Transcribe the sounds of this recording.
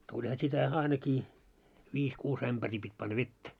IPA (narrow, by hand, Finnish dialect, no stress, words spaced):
tulʲhɑ sitæ ɑinɑkiː ʋiːs kuːs æmb̥æriː pitʲ pɑnːɑ ʋetːæ